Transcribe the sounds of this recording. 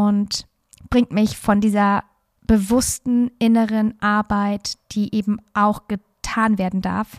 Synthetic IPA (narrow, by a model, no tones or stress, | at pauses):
ʔʊnt | b̥ʁɪŋtmɪçfɔndiːzɐ | b̥əvʊstn̩ʔɪnəʁənʔaɐbaɪtd̥iːʔeːbm̩ʔaʊxɡ̥ə | tʰaːnveːɐdn̩da̰ɐf